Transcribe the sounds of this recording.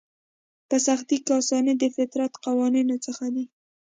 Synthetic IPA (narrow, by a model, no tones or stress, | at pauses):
pəsaxt̪ikɑsɑnəd̪əfɪt̪ɾat̪qawɑninot͡səxad̪i